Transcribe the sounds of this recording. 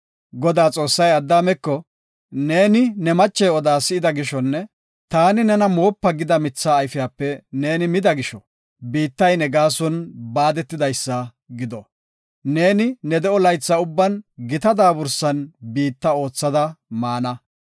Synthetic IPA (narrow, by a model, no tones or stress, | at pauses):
ɡɔd̪aːt͡sʼo̞ːsːɐjɐd̪ːaːmɛkːɔ | ne̞ːnɪnɛmɐt͡ʃːɛɔd̪aːsɪɪd̪ɐɡɪʃɔnːɛ | t̪aːnɪnɛnɐmoːpːɐɡɪd̪ɐmɪt͡sːaːjfɪjaːpːɛne̞ːnɪmɪd̪ɐɡɪʃɔ | biːt̪ːɐjnɛɡaːsɔnbaːd̪ɛt̪ːɪd̪ɐjsːɐ | ɡɪd̪ɔ | ne̞ːnɪnɛd̪ɛʔɔlɐjt͡sːɐʊbːɐnɡɪt̪ɐd̪aːbʊɾsɐnbiːt̪ːɐo̞ːt͡sːɐd̪ɐmaːnɐ